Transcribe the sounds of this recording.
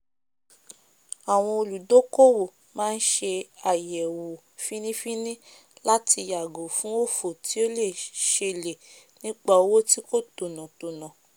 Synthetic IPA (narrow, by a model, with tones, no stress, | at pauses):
a˨w̃ɔ̃˧o˧lu˨do˦ko˦wo˨ | mãː˦n̩˦ʃe˧a˨jɛ˨wo˨ | fi˦nĩ˦fi˦nĩ˦ | la˦ti˧ja˨ɡo˨fũ˨˦o˦˨fo˨ti˨˦o˦le˦˨ʃe˧le˨ | nĩ˦k͡pa˧˨o˦wo˦ti˦ko˦to˨nɔ̃˨to˨nã˨